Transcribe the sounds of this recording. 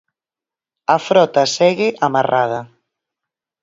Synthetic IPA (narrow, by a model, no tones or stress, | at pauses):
afɾɔt̪asɛɣɪʔamarʔað̞ɐ